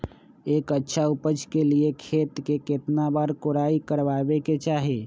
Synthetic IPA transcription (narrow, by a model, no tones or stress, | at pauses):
ekətːʃʰaupəd͡ʒkeliekʰet̪keket̪nabaɾkoɾaikəɾbabeket͡ʃaɦi